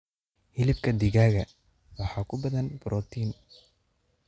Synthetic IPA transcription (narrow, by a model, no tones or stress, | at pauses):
hɪlɪbkʰɐd̪ɪɣaːɣɐ | wɑħɑːkʰʊbɐðɐnbɾʔɔːt̪ʰiːn